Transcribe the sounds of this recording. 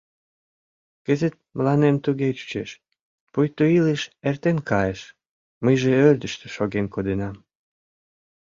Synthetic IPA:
kəzet̪̚məlɑnemt̪uɣet͡ɕy̥t͡ɕeʃ | pujt̪ːoileʃert̪enkɑjeʃ | məjʒeøld̪əʃt̪øʃoɣenkod̪enɑm

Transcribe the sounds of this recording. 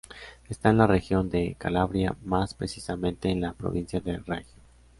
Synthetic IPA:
e̞st̪aenlare̞xjo̞nd̪e̞ka̰laβɾja̰maspɾe̞sisamẽ̞nt̪e̞ːnlapɾo̰βinsjaðeraxjo

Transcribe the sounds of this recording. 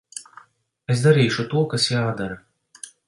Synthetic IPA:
esd̪aɾiːʃut̪uɔkasjaːd̪aɾa

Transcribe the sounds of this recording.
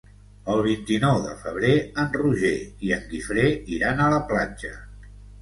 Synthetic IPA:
əlˠβ̞int̪inɔwðə̰fəβ̞ɾeənruʒeiəŋɡifɾeiɾanələplad͡ʒə

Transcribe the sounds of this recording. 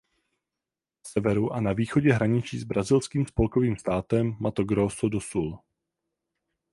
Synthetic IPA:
sɛvɛɾuʔanaviːxo̞ɟɛɦɾaɲɪt͡ʃiːzbɾazɪlskiːmspo̞lko̞viːmst̪aːt̪ɛmːat̪oɡɾoːsodosul

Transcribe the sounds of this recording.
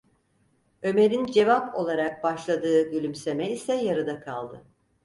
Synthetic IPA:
ø̞me̞ɾind͡ʒe̞vapo̞̰lˠaɾak̚baʃlˠad̪ɯːɟylʲymse̞mɛisɛjaɾɯd̪akʰa̰lˠd̪ɯ

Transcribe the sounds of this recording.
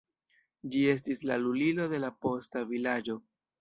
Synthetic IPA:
d͡ʒie̞s̬tislalulilo̞de̞lapo̞stavilad͡ʒo̞

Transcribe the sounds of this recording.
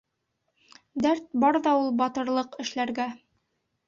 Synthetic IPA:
d̪æɾt̪̚bɑɾðɑulˠbɑt̪ɤ̆ɾlˠɤqɘ̆ʃlæɾɡæ

